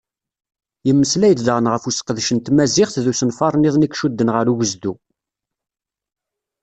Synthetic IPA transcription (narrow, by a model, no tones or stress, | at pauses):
jəmːəslæjəd̪ðʁənʁəfusə̥qːəðʃənt̪mæzɪχθðusənfɑɾˤniðˤnikʃud̪ːənʁəɾuʝəzd̪u